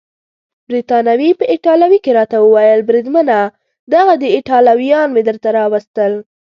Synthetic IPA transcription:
bɾit̪ɑnawipəʔɪʈɑlawikeɾɑt̪awəwajəlbɾid̪məna | d̪aɣad̪əɪʈɑlawijɑnmed̪əɾt̪aɾɑwəst̪əl

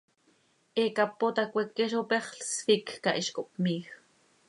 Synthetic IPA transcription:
ʔekapot̪akʷekːeʃ̬opeχɬsfikːaʔiʃkoʔpmiːx

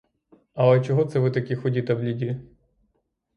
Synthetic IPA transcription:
ɐlˠɛt͡ʃɔɦɔt̪sɛʋɪt̪ɐkʲixɔdʲit̪ɐwlʲidʲi

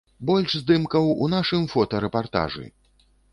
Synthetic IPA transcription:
bɔlʲʐzd̪ɨmkɐwṵnaʂɨmfɔt̪ɐɾɛpart̪a̰ʐɨ̰

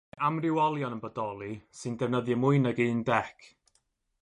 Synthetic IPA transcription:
ʔamrɪwɔlˠjɔnənbədɔlˠisɨndɛvnəðjəmʊɨnəɡiːndɛkʰ

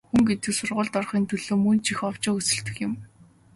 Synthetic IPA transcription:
xuŋɡet̪ɘ̆ksʊrʁʊːɮt̪ɔrχiːnt̪ʰɵɮoːmɵnt͡ɕʰixɔwt͡ɕɪːɵsɘ̆ɬt̪ɘ̆xjɪ̆m

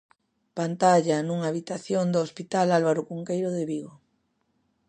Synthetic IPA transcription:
pant̪aʎanuŋaːβit̪aθjond̪oːspit̪alalβaɾokuŋkejɾoðeβiɣo

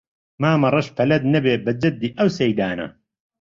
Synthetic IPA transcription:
maːmɐrɐʃpʰɐlɐd̪nɐbeːbɐd͡ʒɐd̪ːiːʔɐwsɐjd̪aːnɐ̰

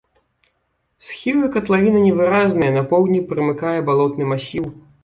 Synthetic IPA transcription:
sxʲivɨkɐt̪lˠavʲinɐnʲɛvɨɾaznɐjɐnɐpɔwd̪ʲnʲipɾɨmɨkajɛbalˠɔt̪nɨmasʲiw

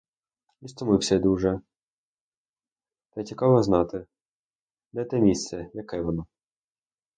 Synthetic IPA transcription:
ist̪ɔmɪwsʲɛd̪uʒɛ | t̪ɛt͡sʲikɑʋɔznɑt̪ɪ | d̪ɛt̪ɛmʲist̪sɛjɐkɛʋɔnɔ

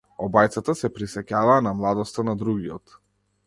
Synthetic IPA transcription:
ɔbajt̪sat̪asɛpɾisɛcavaːnamlˠad̪ɔst̪anad̪ɾuɡiɔt̪

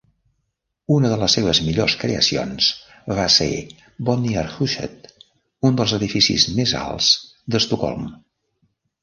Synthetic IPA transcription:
unəðələsːeβ̞əzmiʎoskɾḛə̰sio̰ns | βasḛ | bɔniaɾxuʃɛ̰t̪ | und̪əlˠzəðifisḭzmeza̰lˠz̥d̪əst̪ukɔ̰lˠm

